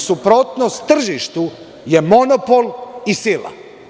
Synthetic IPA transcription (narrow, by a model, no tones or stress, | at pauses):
supɾo̞t̪nost̪t̪ːr̩ʒiʃt̪u | jemo̞nopolisila̰